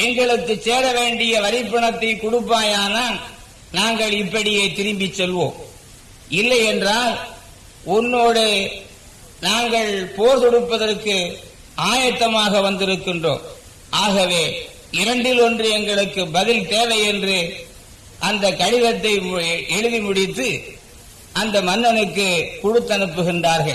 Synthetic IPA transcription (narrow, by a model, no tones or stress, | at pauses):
ɛŋɡɐɭɯkːɯt͡ʃseːɾɐʋeːɳɖɪjɐʋɐɾɪpːɐɳɐt̪ːɐɪkʊɽʊpːaːjaːnaːn | naːŋɡɐɭɪpːɐɽɪjeːt̪ɪɾɯmbɪt͡ʃːɛlʋo̰ːm | ɪlːɐjɛndraːl | ʊnːoːɽɯ | naːŋɡɐɭpoːɾðɔɽɯpːɐðɐrkɯ | aːjɐt̪ːɐmaːɣɐʋɐnd̪ɪɾɯkːɪndro̰ːm | ʔaːɣɐʋeː | ɪɾɐɳɖɪlɔndrɯɛŋɡɐɭɯkːɯbɐðɪlt̪eːʋɐɪɛndrɯ | ʔɐnd̪ɐkːɐɻɪðɐt̪ːɐɪɛɻɯʋimʊɽɪt̪ːɯ | ʔɐnd̪ɐmɐnːɐnɯkːɯkʊɽɯt̪ːɐnɯpːɯɣɪndraːɾɣɐɭ